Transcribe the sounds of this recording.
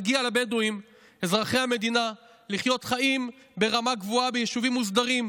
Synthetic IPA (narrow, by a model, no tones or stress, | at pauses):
ɡialabed̪oim | e̞zʁaχejhame̞d̪ina | liχjo̞t̪χaim | be̞ʁamaɡvuabejeʃuvimːuzd̪aʁim